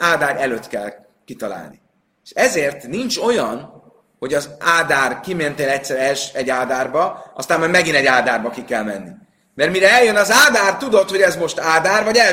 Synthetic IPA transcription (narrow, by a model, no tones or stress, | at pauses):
aːd̪aːɾʔɛløːt̪kɛl | kit̪ɒla̰ːlni | eʃɛzeːrt̪nint͡ʃo̞jɒn | ho̞ɟɒzaːd̪aːrkiment̪eːlɛc̚tsɛɾɛʃɛɟːaːd̪aːrbɒɒst̪aːnmɒjmɛɡinɛɟaːd̪aːrbɒkikɛlmɛnːi | mɛrmiɾɛɛljønɒzaːd̪aːrt̪ud̪o̞t̪ho̞ɟɛzmo̞ʃt̪aːd̪aːrvɒɟɛ